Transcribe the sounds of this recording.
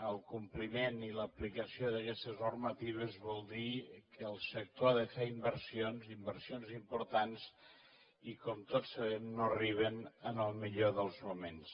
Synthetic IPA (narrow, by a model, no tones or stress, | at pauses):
əlˠkumplimeniləplikəsioðəkɛst̪əznuɾmət̪iβ̞əzβɔlˠd̪ikʰəːlˠsək̚t̪oaðəfeimbəɾsionzimbəɾsionzimpuɾt̪ans | ikɔmt̪otsəβɛmnoəriβ̞ənənəlˠmiʎoðəlˠzmumens